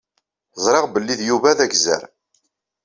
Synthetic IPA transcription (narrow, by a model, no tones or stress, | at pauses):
zˤɾˤeʁbəlːiðjuvæðæɡzæ̰ɾ